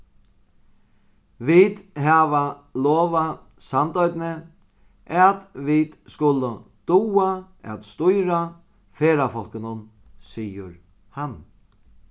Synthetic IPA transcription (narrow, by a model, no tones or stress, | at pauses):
viːd̪ɦavaloːʋa | sant̪ɔɥt̪nɪ | ʔat̪vid̪skʊləd̪̥uːa | ɛ̰t̪st̪ʊjɾa | feːɾafɔl̥kɪnʊn | siːjə̰ɾ | han